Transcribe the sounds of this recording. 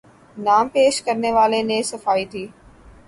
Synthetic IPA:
naːmpeːʃkɐɾneʋaːlenẽsɐfaːit̪ʰiː

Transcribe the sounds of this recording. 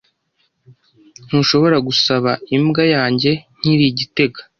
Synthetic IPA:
n̥huːʃo̞βo̞ɾaɡusaβaimɡajaːɲɟe̞n̥hiɾiɟite̞ɡḁ

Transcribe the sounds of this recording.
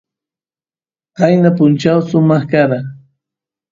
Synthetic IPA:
qajnapʊnt͡ʃawsʊmɑχkaɾa

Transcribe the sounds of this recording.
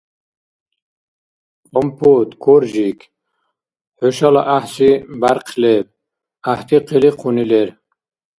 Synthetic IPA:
ɔmpʰot̪kʰoɾʒik | huʃalaʔahsibaɾqʰleb̚ | aht̪ʰiqʰiliqʰunileɾ

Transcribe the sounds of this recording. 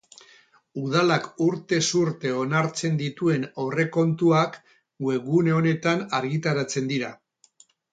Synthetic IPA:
uð̞alakuɾt̪e̞suɾt̪e̞o̞naɾt͡se̞nd̪it̪ue̞nowre̞ko̞nt̪uak | ɡue̞ɣuneo̞ne̞t̪anaɾɣit̪aɾat͡se̞nd̪iɾa

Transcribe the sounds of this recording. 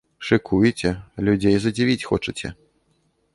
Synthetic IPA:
ʂɨkʰujt͡sʲɛlʲud͡zʲejzɐd͡zʲivʲit͡sʲxɔt͡ʂɨt͡sʲɛ̰

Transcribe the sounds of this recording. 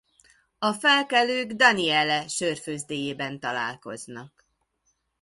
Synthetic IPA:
ɒfɛlkɛløːɡd̪ɒniɛlɛʃørføːzd̪eːjeːbɛnt̪ɒla̰ːlko̞̰znɒk

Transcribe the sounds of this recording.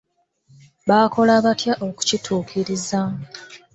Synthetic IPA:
βaːko̞laβatjaʔo̞ku̥citʰuːkʰiɾiza

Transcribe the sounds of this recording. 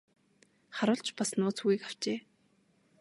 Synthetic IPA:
χaɾʊːɬt͡ɕʰpasnʊːt͡sʰxuɣiːkaw̥t͡ɕeː

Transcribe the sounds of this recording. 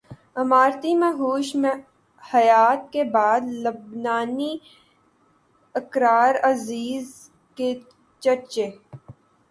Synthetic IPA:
ɐmaːɾt̪imẽɦuːʃmẽ | hɐjaːt̪kebaːd̪lɐbnaːni | əkɾaːɾɐziːz | ke | t͡ʃəɾt͡ʃeː

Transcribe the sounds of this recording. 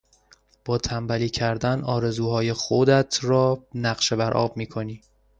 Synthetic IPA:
b̥ɒːt̪ʰæmbæliːcʰæɾd̪ænɒːɾe̞zuːɦɒːje̞xod̪æt̪ʰɾɒːnæɢʃe̞bæɾʔɒ̰ːbmiːkʰo̞niː

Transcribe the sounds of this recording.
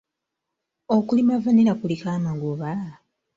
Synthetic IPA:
okulimavaniɾakulikamaŋɡuβa

